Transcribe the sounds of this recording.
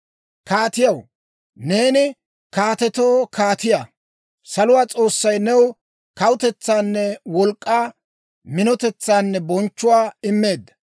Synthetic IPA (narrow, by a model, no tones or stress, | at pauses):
kaːt̪ɪjɐw | ne̞ːnɪ | kaːt̪ɛt̪oːkʰaːt̪ɪja | sɐlʊwaːt͡sʼo̞ːsːɐjnɛw | kɐwʊt̪ɛt͡sːaːnːɛwɔlkʼːaː | mɪnɔt̪ɛt͡sːaːnːɛbɔnt͡ʃːʊwaːɪmːe̞ːd̪ːɐ